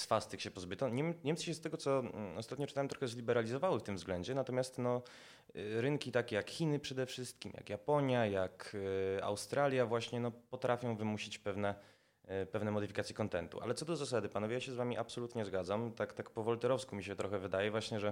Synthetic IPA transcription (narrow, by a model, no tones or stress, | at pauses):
sfast̪ɘkɕɛpɔzbɘt̪ɔɲɛmɲɛmt̪sɕɛst̪ɛɡɔt̪sɔɔ̰st̪at̪ɲɔt͡ʂɘ̥t̪awɛmt̪ɾɔxɛzlʲibɛɾalʲizɔvawɘft̪ɘmvzɡlɛɲd͡ʑɛnat̪ɔmʲjast̪nɔ | ɾɘŋkʲit̪akʲɛjakxʲinɘpʂɛd̪ɛfʂɘst̪̚kʲimja̰kjapɔɲjajaka̰wst̪ɾalʲjavwaɕɲɛnɔpɔt̪ɾʔafʲjɔ̃w̃vɘmuɕit͡ɕpɛvnɛ | pɛvnɛmɔd̪ɘfʲikat̪sʲjɛkɔnt̪ɛnt̪ṵʔa̰lɛt̪sɔd̪ɔzasad̪ɘpanɔvjejaɕɛzvamʲiʔapsɔlut̪ɲɛzɡad̪zamt̪akt̪akpɔvɔlt̪ɛɾɔfskumʲiɕɛt̪ɾɔxɛvɘd̪ajɛvwaɕɲɛʐɛ